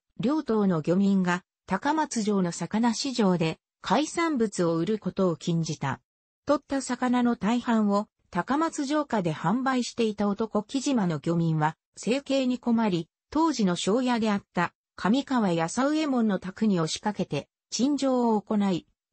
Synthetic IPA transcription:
ɾʲo̞ːt̪o̞ːno̞ɡʲo̞mʲĩŋɡa | t̪akamat͡sɨʑo̞ːno̞sakanaɕiʑo̞ːd̪e̞ | kʰaisãmbɯ̟t͡sɨo̞ɯ̟ɾɯ̟ko̞t̪o̞ːkʲĩɲ̟d͡ʑit̪a̰ | t̪o̞t̪ːasakanano̞t̪aihãɰ̃o̞ | t̪akamat͡sɨʑo̞ːkad̪e̞hãmbaiɕi̥t̪e̞it̪ao̞t̪o̞ko̞kʲiʑimano̞ɡʲo̞mʲĩɰ̃βa | se̞ːke̞ːɲ̟iko̞maɾʲi | t̪o̞ːʑino̞ɕo̞ːjad̪e̞at̪ːa | kʰamʲikaβajasaɯ̟e̞mõ̞nːo̞t̪akɯ̟ɲ̟io̞ɕi̥kake̞t̪e̞ | t͡ɕĩɲd͡ʑo̞ːko̞nai

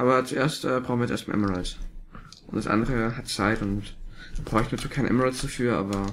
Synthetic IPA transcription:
ʔaːbɐt͡suʔeːɐstʔɛːbʁaʊxnviɪjɛt͡sʔeɐstma̰ʔɛ̰məʁals | ʔʊntd̥asʔa̰ndəʁəhatt͡saɪtʊntb̥ʁɔʏçtn̩viːɐt͡saːkʰaɪnʔɛmʁalsd̥afyːɐʔa̰ːbɐ

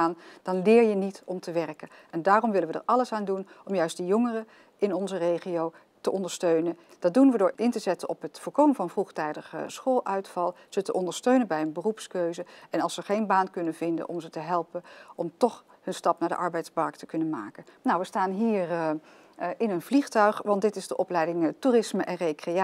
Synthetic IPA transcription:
and̥ɑnlɪːɹjənitɔmtəʋɛrkənɛndaːrɔmʋɪlənʋədə̰ɹʔɑləsaːndunʔɔmjœɥstdijɔŋərə | ɪnɔnzərejχijow | təʔɔndəɹstøɥnən | d̥ɑt̚dunʋədʊːɹʔɪntəzɛtənɔpətfʊːɹkowmənvɑnvruχtɛjdəχsχoːlˠʔœɥtfɑlˠz̥ətəʔɔndəɹstøɥnənbɛjənbərupskøɥzəɛnɑlˠsəχejnbaːnkɵnəvɪndə̰nʔɔ̰mzətəɦɛlˠpəʔɔmtɔχ | hɵnstɑpnaːɹdə̰ʔɑɹbɛjtsmɑɹktə̥kɵnənma̰ːkənnawʋəstaːnɦiːr | ʔɪnənvliχtœɥχʋɑntdɪtɪzdəʔɔplɛjdɪŋturɪsməʔɛnrejkreja

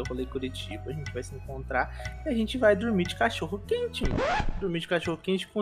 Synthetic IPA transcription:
ewfalejkoɾit͡ʃibʊɐʒẽnt͡ʃɪvajsiẽŋkõnt̪ɾaiaʒẽnt͡ʃɪvajd̪ʊɾmid͡ʒɪkaʃoɦʊkẽnt͡ʃɪd̪ʊɾmiɾd͡ʒɪkaʃohʊkẽnt͡ʃɪ̥kõ

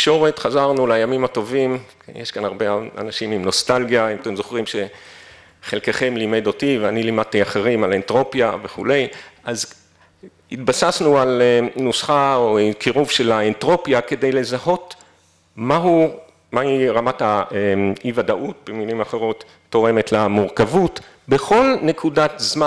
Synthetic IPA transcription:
ikʃo̞ʁetχazaʁnulajamimato̞vim | jeʃkanaʁbea̰naʃimimno̞stalɡijaimat̪e̞mzo̞χʁimʃe̞ | χe̞lkeχe̞mlime̞do̞tiveanilimad̚teaχeʁimalentʁo̞pjave̞χule̞jʔaz | hitbasasnualenusχaokʰiʁuvʃe̞laentʁo̞pjake̞de̞jle̞zaho̞t | maɦu | maiʁamataeivadaʔut̚b̥emilimaχeʁo̞tː | o̞ʁe̞me̞tlamuʁkavut | be̞χo̞lne̞kʰudatzma

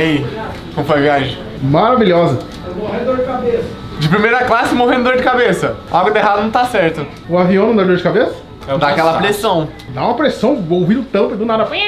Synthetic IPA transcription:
i | kõmʊfojɐviaʒẽ | maɾaviʎɔzɐ | moɦẽd̪oɾd͡ʒɪkabesɐ | d͡ʒɪpɾimejɾɐklasɪmoɦẽnd̪oɾd͡ʒɪkabesɐawɡʊd̪eɦad̪ɐnɐ̃w̃t̪asɛɾt̪ʊ | ʊaviɐ̃nɐ̃d̪oɾd̪oɾd͡ʒɪkabesɐ̥ | ɛd̪aakɛlɐpɾesɐ̃w̃ | d̪aũɐpɾesɐ̃w̃owvĩd̪ʊt̪ɐ̃pʊɪd̪ʊnad̪ɐp

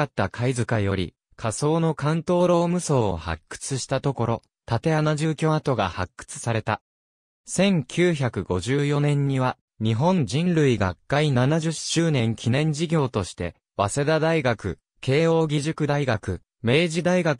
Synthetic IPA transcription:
at̪ːakʰaizɨkajo̞ɾʲḭ | kʰaso̞ːno̞kãnt̪o̞ːɾo̞ːmɯ̟so̞̰ːha̰kːɯ̟̥t͡sɨɕi̥t̪at̪o̞ko̞ɾo̞ | t̪at̪e̞anaʑɨːkʲo̞at̪o̞ɡahakːɯ̥t͡sɨ̥saɾe̞t̪a | sẽ̞ŋkʲʰɨːçakɯ̟ɡ̥o̞ʑɨːjo̞nẽ̞ɲ̟ːiβa | ɲ̟iɦõ̞ɲd͡ʑĩnɾɯ̟iɡa̰kːainanaʑɨɕɕɨːnẽ̞ŋkʲʰinẽ̞ɲ̟d͡ʑiɡʲo̞ːt̪o̞ɕi̥t̪e̞ | βase̞d̪ad̪aiɡakɯ̟̰ | ke̞ːo̞ːɡʲiʑɨkɯ̟d̪aiɡakɯ̟ | me̞ːʑid̪aiɡa

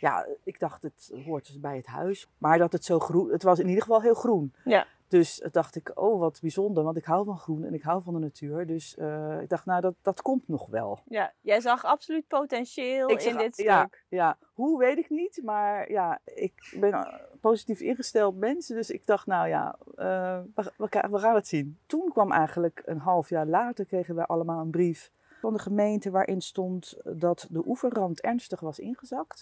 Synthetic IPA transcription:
ja̰ɪɡ̚dɑχtətɦoːɹtbɛjətɦœ̰ɥsmaːɹdɑtətsowχruətʋɑsɪnidəχəvɑlˠɦɪːlˠχrun | d̥øsdɑχtɪkʰo̰wʋɑtbizɔndəɹʋɑntɪkɦawvɑnχrunɛ̰nɪkɦawvɑndənatʰyːɹdøsəɪ̰ɡ̚dɑχtnawdɑd̥ɑtkɔmtnɔχʋɛ̰lˠjjɛjzɑxɑpsolyt̚potɛnʃɪːlˠdɪtjakja | ɦuʋejtɪknitmaɹjaɪkbɛnpowsitifɪnχəstɛlˠtmɛnsədøsɪ̰ɡ̚dɑχtnawja̰ə | ʋəχaːndɑtsintunkʋɑmʔɛ̰jχənləkə̰nɦɑlˠfjaːɹlaːtəɹkrejχənʋɛjʔɑləmaːlˠənbrif | fɑndəχəmejntəʋaːɹʔɪ̰nstɔntdɑtdəʔuv̥ərɑntɛɹnstəχʋɑsɪ̰nχəzɑkt

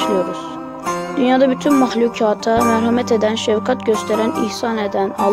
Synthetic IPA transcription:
ʃlijoɾuz̥ | d̪̥ynjɑːd̪ɑbyt̪ʰynmæxlucʰɑːt̪ʰɑmæɾhɑmæt̪ʰe̞d̪ænʃøvkʰɑt̪ɟøst̪æɾænihsɑned̪ænɑ

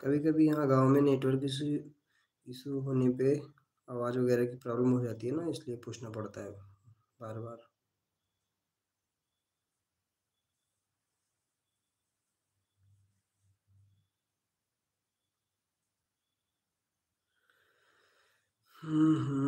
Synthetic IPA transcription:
kɐbʱikɐbʱijɐɦãɡaːõmẽneːʈwəɾkis̬u | iːsuɦoːnepe | aːʋaːd͡ʒʋɐɡɛːɾekipɾaːbləmɦod͡ʒaːt̪iɦɛnaɪsliepuːt͡ʃʰnapɐɽt̪aɦɛ | baːɾbaːɾ | hɦ

